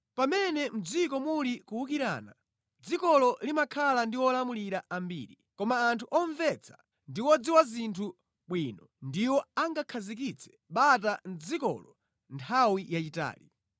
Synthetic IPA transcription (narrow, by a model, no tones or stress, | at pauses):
pamɛnɛm̩d͡zikɔmulikuwukiɾa̰ːna | d͡zikɔlɔlimakʰalandiwɔlamuliɾaambḭːɾi | kɔmaːntʰuʔɔɱvɛt͡sʰḁ | ndiwɔd͡ziwazintʰu | ɓwinɔndiwɔaŋɡakʰazik̬it͡sʰɛ̥ | ɓat̬an̩d͡zikɔ̰lɔ | ntʰawijat͡ʃita̰ːli